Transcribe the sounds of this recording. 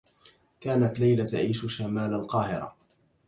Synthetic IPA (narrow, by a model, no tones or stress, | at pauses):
kaːnat̪lajlat̪a̰ʕiːʃʃamaːlalqɑːhɪ̰ɾa̰